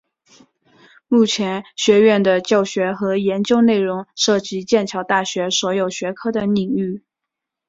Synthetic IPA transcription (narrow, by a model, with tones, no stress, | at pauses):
mu˥˩t͡ɕʰjɛ˧˥nɕɥɛ˧˥ɥɛ˥˩nd̪ə˩t͡ɕjɑ˥˩ʊɕɥɛ˧˥xɤ˧˥jɛ˧˥nt͡ɕjo˥˧ʊne˥˩ɪɻʊ˧˥ŋʂɤ˥˩t͡ɕi˧˥t͡ɕjɛ˥˩nt͡ɕʰjɑ˧˥ʊt̪a˥˩ɕɥɛ˧˥swɔ˧˥jo˨˩ʊɕɥɛ˧˥kʰɤ˥d̪ə˨ni˨˩ŋy˥˩